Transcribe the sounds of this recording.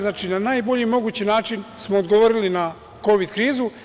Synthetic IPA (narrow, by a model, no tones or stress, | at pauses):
znaːt͡ʃinanaːjbo̞ʎimo̞ɡuːt͡ɕinaːt͡ʃinsmoːd̪ɡoʋoːɾilina | ko̞ʋid̪kɾiːzu